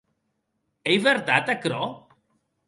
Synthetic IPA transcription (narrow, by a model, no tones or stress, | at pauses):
ejβeɾt̪at̪akɾɔ